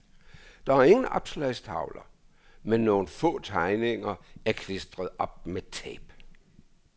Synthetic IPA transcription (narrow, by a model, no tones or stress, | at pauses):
d̥ɑ̈æɐe̝ŋn̩ɒ̽b̥slɛɪ̰stʰɑ̈ʊlɐ | menːo̝ːn̩fɔ̰̽ːt͡sʰɑ̈ɪne̝ŋɐæɐkʰlesd̥ʁɐð̩ˠɒ̽b̥̚met͡sʰɛ̰ːb̥